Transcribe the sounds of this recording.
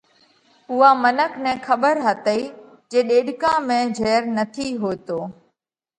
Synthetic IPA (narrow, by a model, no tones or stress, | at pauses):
ʊɦaːmənəknɛ̃ːxəɓəɾɦət̪əiː | d͡ʒeːɗeːɗkãːmẽːd͡ʒʱeːɾnət̪ʰiːɦoːt̪oː